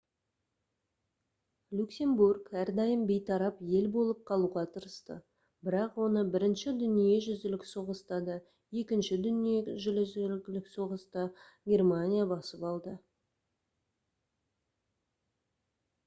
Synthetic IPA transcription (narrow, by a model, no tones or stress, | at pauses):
lʲuksʲe̞mburɡæɾd̪ɑjəmbe̞jt̪ʰɑɾɑpje̞lbo̞lˠəp̚qʰɑlˠuʁɑt̪ʰəɾəst̪ə̰ | bɪɾɑqwo̞nəbɪɾɪnʃɪd̪ʏnije̞ʒʏzd̪ɪlɪkso̞ʁəst̪ɑd̪ə | je̞kʲɪnʃɪd̪ʏnijeʒʏlɪzlɪkso̞ʁəst̪ɑɡʲe̞rmanʲijabɑsəpɑlˠd̪ə